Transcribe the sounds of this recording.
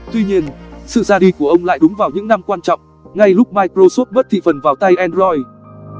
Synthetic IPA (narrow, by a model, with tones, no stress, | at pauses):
t̪wi˧ɲi˧ənsɨ̰˧˨zaː˧ɗi˧ku˧˩əʔə˧wŋ͡mla̰ː˧˨jɗʊ˨˦ŋ͡mvaː˨˩wɲɨ̰˧˥ŋna˧mkwaː˧nt͡ɕɔ̰˧˨wŋ͡m | ŋa˧jlʊ˦˥k͡p̚maː˧jkɾo˧so˦˥t̚ɓə˦˥t̚t̪ʰḭ˧˨fə˨˩nvaː˨˩wt̪a˧jʔɛ˧nzɔ˧j